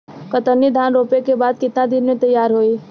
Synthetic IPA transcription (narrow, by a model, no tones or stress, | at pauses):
kət̪əɾnid̪ʱaːnɾoːpekebaːd̪̚kɪt̪nãd̪ɪnmẽt̪əjaːɾɦoiː